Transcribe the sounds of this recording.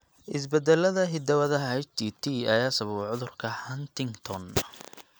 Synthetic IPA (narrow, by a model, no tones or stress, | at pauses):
ʔɪs̬bɛd̪ɛlɐðɐɦɪd̪ɐwɐðɐɦɐɛt͡ʃt̪ʰit̪ʰiɐjaːsɐβɐβʕʊðʊrkʰɐhɐnt̪ɪŋt̪ʰɔn